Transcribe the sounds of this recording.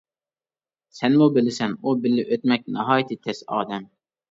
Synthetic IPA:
sɛnmubɪlɪsɛnubɪlːɪʔøt̪mɛk̚ʲnɪɦɑːjt̪ʰɨt̪ʰɛsɑ̰ːd̪ɛm

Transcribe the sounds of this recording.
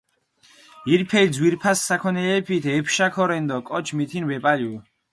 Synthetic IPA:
iɾpʰɛlzwiɾpʰasːakʰɔnɛlɛpʰit̪ʰɛpʰʃakʰɔɾɛnd̪ɔkʼɔt͡ʃʰmit̪ʰinbɛpʼalu

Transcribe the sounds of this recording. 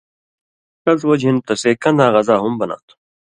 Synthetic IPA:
kɐzwɐd͡ʑɦĩnt̪ɐseːkɐ̃nd̪aːɣɐzaːɦumbɐna̰ːt̪ʰu̥

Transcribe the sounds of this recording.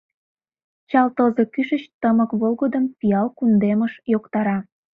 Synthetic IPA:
t͡ɕɑlt̪əzekyʃət͡ɕt̪əməkβolɣəd̪əmpiɑlkund̪eməʃjokt̪ɑɾɑ

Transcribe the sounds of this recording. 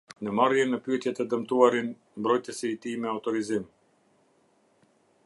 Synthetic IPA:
nəmarjɛnəpyɛt̪jɛt̪ɛd̪əmt̪uaɾin | mbɾɔjt̪əsit̪imɛawt̪ɔɾizim

